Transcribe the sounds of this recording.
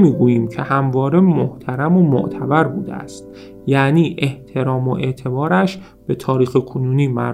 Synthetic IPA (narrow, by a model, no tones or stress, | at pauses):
miːɡuːjiːmcʰe̞hæmvɒːɾe̞moht̪ʰæɾæmomo̰ʔt̪ʰæbæɾbuːd̪eæ̰st̪̚ | jæːniːʔe̞ht̪ʰe̞ɾɒːmoʔe̞ʔt̪ʰe̞bɒːɾæʃ | b̥e̞t̪ʰɒːɾiːxekʰonuːniːmæɾ